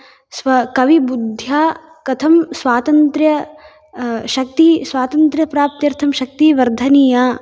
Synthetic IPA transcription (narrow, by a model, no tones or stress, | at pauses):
sʋɐkɐʋibud̪ʱjaː | kɐt̪ʰɐmsʋaːt̪ɐnt̪ɾjɐ | ʃɐk̚t̪isʋaːt̪ɐnt̪ɾjɐpɾaːp̚t̪jɐɾt̪ʰɐmʃɐk̚t̪iʋɐɾd̪ʱɐniːjaː